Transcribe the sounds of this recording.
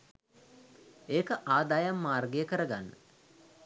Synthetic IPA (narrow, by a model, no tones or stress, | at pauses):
eːkəʔaːd̪aːjamːaːrɡejəkəɾəɡanːə̰